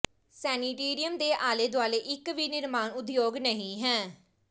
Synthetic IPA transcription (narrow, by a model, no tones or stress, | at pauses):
sɛːniːʈeːɾijəmd̪eːʔaːleːd̪oaːleːʔɪkʋiːnɪɾmaːnʊd̪joːɡnəɦĩːɦɛ̃ː